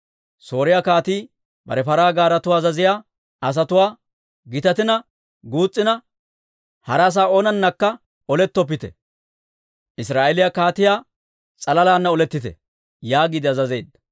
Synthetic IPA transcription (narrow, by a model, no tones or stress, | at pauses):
so̞ːɾɪjakaːt̪iː | bɐ̰ɾɛfɐɾaːɡaːɾɐt̪ʊwaːzɐzɪjaː | ɐs̬ɐt̪ʊwaː | ɡɪt̪ɐt̪ɪnɐ | ɡuːt͡sʼːɪnɐ | hɐɾaːs̬aːoːnɐnːɐkːɐ | ɔlɛt̪ːɔp̬ːɪt̪ɛ̰ | ʔɪsɾaːʔelɪjakaːt̪ɪjaː | t͡sʼɐlɐlaːnːɐɔlɛt̪ːɪt̪ɛ̰ | jaːɡiːd̪ɪɐzɐzeːd̪ːɐ